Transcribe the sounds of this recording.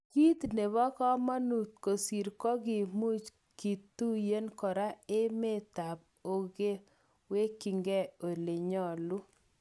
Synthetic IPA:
ki˦t̪ne˨βɔ˦kɔ˦ma˦nu˨t̪̚ko˨si˨ɾkɔ˦ɡɪ˨mu˦t͡ʃ | ki˨t̪u˦je˦nkɔ˨ɾa˦e˦me˦t̪a˨p̚o˨ɡe˦ | we˦ki˨ŋɡɛ˦o˨le˨ɲɔ˦˨lu˦

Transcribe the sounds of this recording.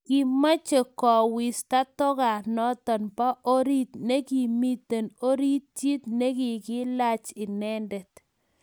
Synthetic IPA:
kɪ˨ma˦t͡ʃe˨kɔ˨wɪ˨sta˦tɔ˦ka˨nɔ˦t̪ɔ˨npa˦ʔo˦ɾi˦t̪ne˦ki˨mi˦t̪e˨no˦ɾi˦t̪ːi˦t̪ne˦kɪ˨ɡɪ˦la˦t͡ʃɪ˨nɛ˦ndɛ˨t

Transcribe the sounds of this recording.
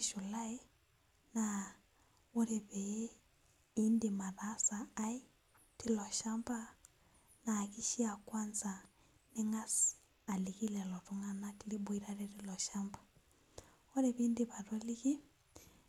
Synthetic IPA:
ʃu˨la˦i˦ | na | u˦ɾɛβɛ | i˦ndima˨rasaːi˦ | ti˦lɔ˨ʃa˦mba˦ | na˨ki˦ʃi˦a˨kwa˦nza | ni˦ŋa˦s | a˨liki˦lɛ˨lɔ˨tuŋa˦nati˦li˦bu˨iɾaɾɛɾilɔ˨ʃambḁ | ɔ˦ɾɛβindiβa˨rɔ˦li˦ki˦

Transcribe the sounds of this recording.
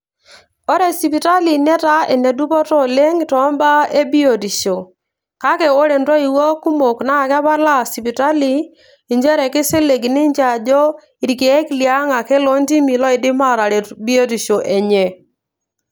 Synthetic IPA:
ɔ˦ɾɛ˨si˨pi˨ta˦li˨nɛ˦ta˦e˨ne˨du˦pɔ˦tɔ˦˨le˦ŋtɔ˨˦mba˦e˦bi˦o˨di˨ʃo˨ | ka˦kɛ˨o˦ɾe˨ndɔ˦i˨wɔ˦ku˦mo˨kna˦˨kɛ˦ba˦la˦si˨pi˨ta˦li˨ | i˨ɲd͡ʒɛ˦ɾɛ˨kɪ˦se˦le˨ɡnɪ˦ɲd͡ʒa˨d͡ʒɔ˦ | i˨ɾke˨˦klja˦ŋa˨kɛ˦lo˦nti˦mi˨lɔ˦ɪ˨dɪ˦ma˦˨ɾa˨ɾe˨bi˦o˦di˨ʃo˨ʔe˨ɲɛ˨

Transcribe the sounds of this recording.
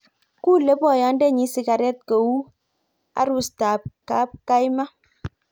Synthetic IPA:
ku˦˨le˨˦pɔ˦˨ja˨˦n˦de˦˨ɲi˨˦si˨ɡa˨ɾɛ˦˨t̚kə˨wu˦ | a̰˦ɾu˦sta˨p̚ka˦p̚ka˦jma˦

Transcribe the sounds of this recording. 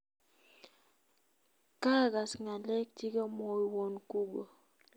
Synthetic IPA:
ka˦˨ɡa˨sŋa˨lɛ˦k̚ti˦ko˦mo˨wo˨nku˦ɡo˨

